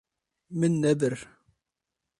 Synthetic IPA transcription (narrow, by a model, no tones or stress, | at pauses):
mənːæbəɾ